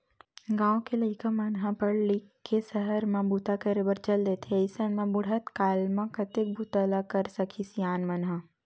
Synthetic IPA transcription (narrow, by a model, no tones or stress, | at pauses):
ɡãːõkeləɪkəmɐnɦãpɐɾlikʰːesəɦəɾmãbut̪akəɾebəɾt͡ʃəld̪eːt̪ʰeɪsənmãbʊɽ̤ət̪kaːlmãkɐt̪ɪk̚bʱut̪əlakɐɾsɐkʰisjaːnmɐnɦã